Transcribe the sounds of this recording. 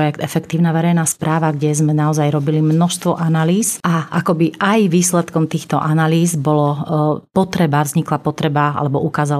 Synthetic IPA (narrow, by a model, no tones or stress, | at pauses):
jɛkt̪ɛfɛkt̪iːʊnaʋɛɾɛjnaːspɾaːʋaɡɟɛzmɛnaɔzajɾɔbilimnɔʃst̪ʋɔʔanaliːzʔaʔakɔbiʔajʋiːslɛt̪kɔmt̪iːxt̪ɔʔanaliːzbɔlɔpɔt̪ɾɛbavzɲiklapɔt̪ɾɛbaa̰lɛbɔʔukaːzal